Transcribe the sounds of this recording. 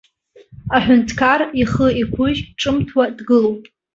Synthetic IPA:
aħʷᶣʊntʰkʰariχəikʷʰʊʒʲʈ͡ʂʼɨmtʰwadɡɨlowpʼ

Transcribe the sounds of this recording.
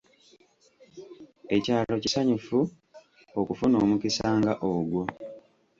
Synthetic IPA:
e̞caːlo̞cisaɲufu | okufuno̞ːmukisaːŋɡaʔoɡwo̞

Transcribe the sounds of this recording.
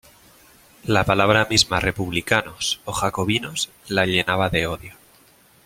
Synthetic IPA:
lapalaβ̞ɾamizmare̞puβlikanoso̞xako̞βinos | laʎe̞naβaðe̞o̞ðjo

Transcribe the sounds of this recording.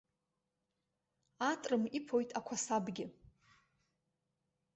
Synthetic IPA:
atʼrɨmipʰo̞jtʼakʷʰasabɡʲɪ

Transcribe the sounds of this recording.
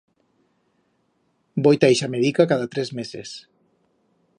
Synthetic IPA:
bojt̪ejʃameðikakaðat̪ɾezmezḛs

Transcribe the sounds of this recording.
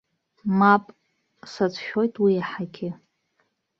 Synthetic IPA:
mapʼ | sat͡sʷʰʼʃᶣo̞jtʼwiaħaɡʲɪ

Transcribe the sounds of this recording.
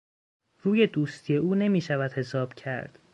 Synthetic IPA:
ɾuːje̞d̪uːst̪ʰije̞ʔuːne̞miːʃævæd̪he̞sɒːb̥cʰæ̰ɾd̪̥

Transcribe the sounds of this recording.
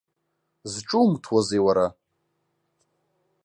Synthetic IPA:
zʈ͡ʂʼumtʰwazejwaɾa

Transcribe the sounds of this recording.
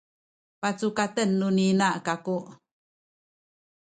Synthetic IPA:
pat͡sukat̪ənːuninaʔkakuʔ

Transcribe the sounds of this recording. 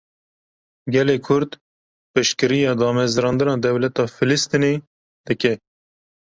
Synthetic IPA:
ɡɛleːkʰʊɾd̪ | pɨʃkɨɾijɑːd̪ɑːmɛzɾɑːnd̪ɨnɑːd̪ɛwlɛt̪ɑːfɪlɨst̪ine | d̪̥ɨkɛ

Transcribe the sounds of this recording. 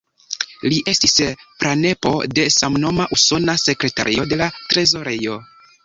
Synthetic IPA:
liʔe̞stispɾane̞po̞̰de̞samno̞maʔuso̞nase̞kɾe̞ta̰ɾḭo̞de̞latɾe̞zo̞ɾejo̞

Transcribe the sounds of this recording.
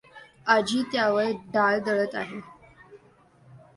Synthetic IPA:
ad͡ʑiːt̪jaʋəɭɖaɭd̪əɭət̪aɦe

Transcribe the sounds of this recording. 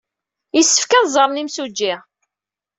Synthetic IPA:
jisːə̥fkæðzˤəɾˤnimsud͡ʒːiɪʁ

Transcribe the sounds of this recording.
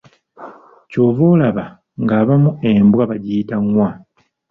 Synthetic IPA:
co̞ːvoːlaβa | ŋɡaːβamue̞mbwaβaɟijitaŋwa

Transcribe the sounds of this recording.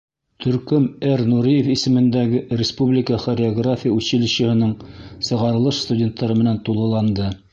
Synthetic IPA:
t̪ʰɵ̆ɾkɵmæɾnuɾijefisɘ̆mɘ̆nd̪æɡɘɾʲɪspublʲɪkəχoɾʲɪoɡrafʲijəʉɕɘ̆lɘ̆ɕɘ̆hɘ̆nɤɴsɤ̆ʁɑɾɤ̆lˠɤʃst̪udʲe̞nt̪ːɑɾɤmɘ̆nænt̪ulˠɤ̆lˠɑnd̪ɤ

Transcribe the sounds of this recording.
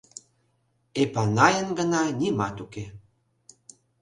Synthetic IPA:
epɑnɑjənɡənɑnʲimɑt̪uke

